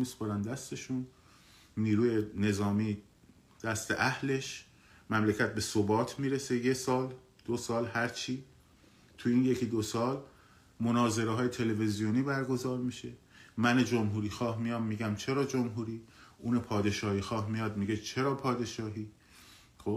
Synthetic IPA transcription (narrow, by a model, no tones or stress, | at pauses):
miːspoɾænd̪æst̪e̞ʃun | niːɾuːjene̞zɒːmiː | d̪̥æst̪e̞̰ʔæhle̞ʃ | mæmlecʰæt̪̚be̞sobɒːt̪ʰmiːɾese̞je̞sɒːl | d̪̥osɒːlhæɾt͡ʃʰiː | t̪ʰuiːnjekʰiːd̪osɒːl | monɒːze̞ɾeɦɒːjet̪ʰe̞le̞vezijoniːbæɾɡo̞zɒːɾmiʃe̞ | mæned͡ʒomɦuːɾiːxɒːhmijɒːmːiːɟæmt͡ʃʰe̞ɾɒːd͡ʒomɦuːɾiːʔuːnepʰɒːd̪e̞ʃɒːhiːxɒːhmijɒːd̪miɡe̞t͡ʃʰe̞ɾɒːpʰɒːd̪e̞ʃɒːɦiː | xo